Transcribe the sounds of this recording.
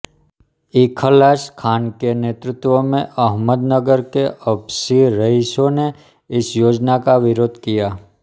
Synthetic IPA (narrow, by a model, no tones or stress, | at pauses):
ikʰəlaskʰaːnkenet̪ɾɪt̪ʋomẽʔəɦməd̪nəɡəɾkeʔəbsiɾəɦiʃone | ɪsjoːd͡ʒnakaʋɪɾoːd̪ʱkija